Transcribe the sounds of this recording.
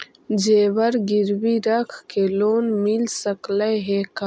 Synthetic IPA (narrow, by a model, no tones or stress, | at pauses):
d͡ʒeːwɐɾɡiɾwiɾɐkʰkeloːnmilsɐklajɦeːka